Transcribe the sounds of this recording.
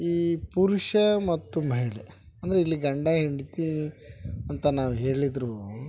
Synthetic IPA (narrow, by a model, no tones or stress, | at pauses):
iːpuɾuʂɐmɐt̪ːumɐɦiɭe | ɐnd̪ɐɾeilːiɡɐɳɖɐɦiɳɖit̪i | ɐnt̪ɐnaːʋuɦe̞ːɭid̪ɾu